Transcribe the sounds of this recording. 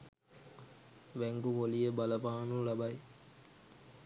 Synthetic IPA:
ʋæŋɡuʋolijəbɐlɐbaːnulɐbɐj

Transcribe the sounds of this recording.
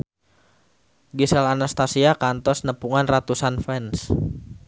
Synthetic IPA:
ɡisɛlanast̪asiakant̪ɔsnəpuŋanrat̪usanfɛns

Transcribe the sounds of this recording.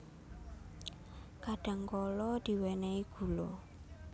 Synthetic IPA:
kadɛŋɡɔlɔdiwɛnɛikulo̰

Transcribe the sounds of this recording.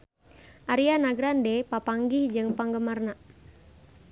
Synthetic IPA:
ʔaɾianaɡɾandɛpapaŋɡihd͡ʒɨŋpaŋɡəmarna

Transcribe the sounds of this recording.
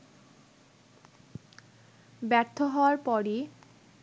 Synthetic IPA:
bɛɾt̪ʰːoɦɔaɾpɔɾi

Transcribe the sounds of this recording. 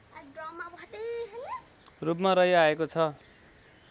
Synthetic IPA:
ɖrʌmːabʱʌd̪eɦʌn | rup̬maɾʌɦjaekot͡sʰʌ

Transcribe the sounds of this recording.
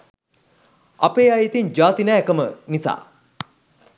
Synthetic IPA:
apeːajit̪ind͡ʒaːt̪inɛːkəmənisa̰ː

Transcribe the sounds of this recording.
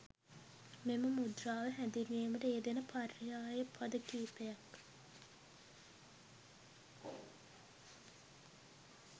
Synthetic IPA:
meməmud̪raːʋəɦænd̪iŋeːməʈəed̪enəpʰarːijaːjəpʰad̪əkiːpejak

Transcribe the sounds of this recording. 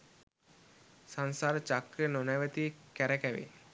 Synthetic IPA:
sansaːɾət͡ʃakɾənonaʋət̪ikæɾəkæʋḛ

